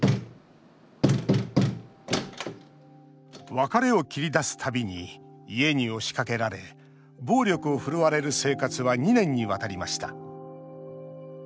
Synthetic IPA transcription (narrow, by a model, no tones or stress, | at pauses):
βakaɾe̞o̞kʲiɾʲid̪asɨ̥t̪ʰabʲiɲ̟iː | e̞ɲ̟io̞ɕi̥kake̞ɾaɾe̞ | bo̞ːɾʲo̞kɯo̞ɸɯ̟ɾɯβaɾe̞ɾɯ̟se̞ːkat͡sɨβaɲ̟inẽ̞ɲ̟ːiβat̪aɾʲimaɕi̥t̪a